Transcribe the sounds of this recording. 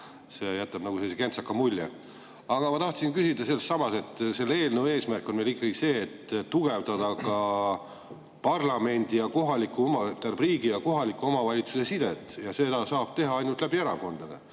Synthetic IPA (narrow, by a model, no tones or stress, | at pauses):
se̞jæt̪ːˑɑb̥nɑɡuselːiseke̞nt̪sɑkːˑɑmulʲje | ɑɡ̥ɑmɑt̪ɑht̪sinkysʲid̪̥ɑse̞lst̪ːɑmɑse̞t̪ːˑse̞lːee̞ːlnewe̞ːsmærkˑːo̞nme̞likːˑɑɡ̥ise̞ːt̪ːt̪ːuɡ̥e̞vd̪ɑd̪ɑkɑ | pɑrlɑme̞nʲd̪̥ijɑko̞ɦɑlikːuomɑt̪ærbriːɡijɑko̞ɦɑlikːˑuo̞mɑvɑlʲit̪suse̞sid̪̥et̪ːˑjɑse̞d̪̥ɑsɑːb̥̚t̪e̞ɦɑɑjnult̪læbieɾɑ̰ko̞nd̪̥ɑd̪e